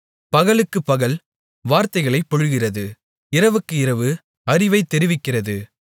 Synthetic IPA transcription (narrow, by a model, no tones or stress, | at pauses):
pɐɣɐɭɯkːɯpːɐɣɐl | ʋaːɾt̪ɐɪɣɐɭɐɪpːɔɻɯɣɪrɐðɯ | ɪɾɐʋɯkːɯɪrɐʋɯ | ɐɾɪʋɐɪt̪ːɛɾɪʋɪkːɪrɐðɯ